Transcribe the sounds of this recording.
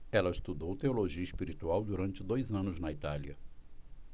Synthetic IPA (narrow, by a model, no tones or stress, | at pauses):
ɛlɐɪst̪ud̪owt̪eoloʒiɐispiɾit̪uawd̪uɾɐ̃nt͡ʃɪd̪ojzɐ̃nʊznɐit̪aliɐ̰